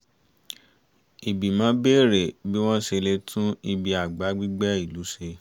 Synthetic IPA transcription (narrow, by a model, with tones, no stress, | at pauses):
i˨bi˨mãː˨˦be˦˨ɾe˨bi˦w̃ɔ̃˦ʃe˧le˦tʰũ˦i˧bi˧a˨ɡ͡ba˨˦ɡ͡bi˦ɡ͡bɛ˦i˦˨lu˨˦ʃe˧